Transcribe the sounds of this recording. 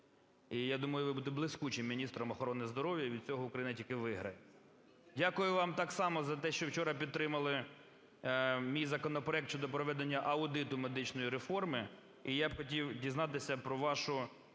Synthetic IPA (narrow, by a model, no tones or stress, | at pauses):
ijad̪umɐjʊʋɪbut̪ɪblˠɪsʲkut͡ʃɪmːʲinʲist̪ɾɔmɔxɔɾɔnɪzd̪ɔɾɔʋʲjɐʋʲid̪̚t͡sʲɔɦɔʊkɾɐjinɐtʲilkɪʋɪɦɾɐjɛ | dʲakʊjʊʋɑmt̪ɑksɑmɔzɐt̪ɛʃt͡ʃɔwt͡ʃɔɾɐpʲid̪t̪ɾɪmɐlˠɪ | mʲijzɐkɔnɔpɾɔɛk̚tt͡ʃɔd̪ɔpɾɔʋɛd̪enʲːɐʔɐʊd̪ɪt̪ʊmed̪ɪt͡ʃnɔjiɾefɔrmɪ | ijabxɔtʲiwdʲiznɑt̪ɪsʲɐpɾɔʋɑʃʊ